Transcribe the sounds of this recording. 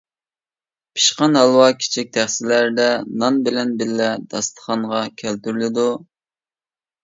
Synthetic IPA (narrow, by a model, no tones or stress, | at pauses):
pʰi̥ʃqɑnɦɑlˠwɑkʲʰi̥t͡ʃʰik̚ʲt̪ʰæχsɪlæɾd̪ɛnɑnbɪlɛnbɪlːɛd̪̥ɑst̪ʰə̥χɑɴʁɑkʲʰælt̪yɾlɪd̪u